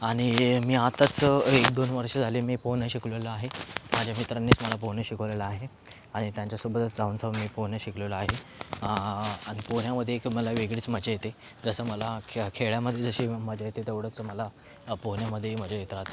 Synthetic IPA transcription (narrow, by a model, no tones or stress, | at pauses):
aɽ̃imiːat̪ət͡sekd̪onʋəɾʂəd͡zʱaliːmiːpoɦnəɕikɭeləaɦemad͡ʑʱjamit̪ɾanːiːt͡sməlap̬oɦnjəɕikʰəʋleləaɦe | aɽ̃it̪jãɲt͡ɕjasubət̪əd͡zauːnsəʋmiːponjəɕikleləaɦe | aɽ̃iponjaməd̪ʱːjekməlaʋeɡɽiːt͡sməd͡ʑajet̪e | d͡zəsəːməlakʰeɭjaməd̪ʱːjed͡zəɕiːməd͡ʑajet̪et̪eʋɽ̤ət͡sməla | poɦnjaməd̪ʱːjem̤ad͡ʑʱjamit̪ɾat̪